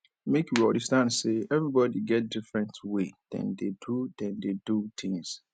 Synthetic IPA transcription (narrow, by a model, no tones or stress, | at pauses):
mekwiɔ̃ndəstãnseɛvɹibɔdiɡɛt̚dɪfɹɛ̃ntʰwed̥ɛ̰̃ndedudɛ̃ndedut̪ʰɪ̃ŋs